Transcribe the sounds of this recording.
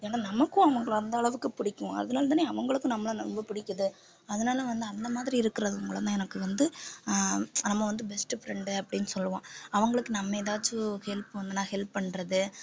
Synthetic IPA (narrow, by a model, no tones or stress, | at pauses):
eːnaːnɐmɐkːʊ̃ɐʋɐŋɡɐɭɐnd̪ɐːɭɐʋɯkːɯpɪɽɪkːʊ̃ʔɐ̰ðɯnaːlɐt̪aːneːɐʋɐŋɡɐɭɯkːʊ̃nɐmːɐɭɐnɐɾɔmbɐpɪɽɪkːɐðɯ | ɐðɯnaːlɐʋɐnd̪ɯɐnd̪ɐmaːðɪɾiɪɾɯkːɪɾɐðɯɐʋɐŋɡɐɭɐt̪ãːɛnɐkːɯʋɐnd̪ɯ | nɐmːɐʋɐnd̪ɯbɛsʈɯfɾɛɳɖɯɐpːɐɽɪjnːɯsɔlːɐʋõːɐʋɐŋɡɐɭɯkːɯnɐmːɐðaːt͡ʃːɯhɛlpʋɐnd̪ɯnaːhɛlpːɐɳɾɐðɯ